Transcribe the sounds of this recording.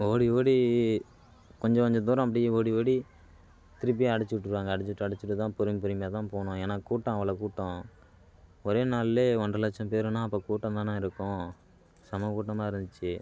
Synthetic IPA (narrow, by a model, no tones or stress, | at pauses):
oːɽioːɽi | kɔɲd͡ʒɐ̃kɔɲd͡ʒɐ̃t̪uːɾɐ̃ɐp̬ːɐɽɪjeoːɽioːɽi | t̪ɪɾɯp̬ːɪjaɐɽɪt͡ʃːɯʋɪʈːɯɾʋaːŋɡɐːɽɪt͡ʃːɯʈːɯɐɽɪt͡ʃːɯʈːɯt̪ãːpʊɾɯmpʊɾɪmbjaːt̪ãːpoːɳʊ̃eːnaːkuːʈːɐ̃ːɐʋɐɭɐkuːʈːõ | ɔɾeːnaːlleːɔɳɖrɐlɐt͡ʃːɐ̃mpeːɾɯnãːɐpːoːkuːʈːɐ̃t̪ãːnãːɪɾɯkːʊ̃ | sɐmɐkuːʈːɐmaːɪɾɯnd̪ɯt͡ʃːɯ